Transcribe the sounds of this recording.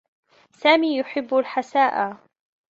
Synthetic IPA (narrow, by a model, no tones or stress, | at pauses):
saːmiːjʊħɪbːʊlħasaːʔaː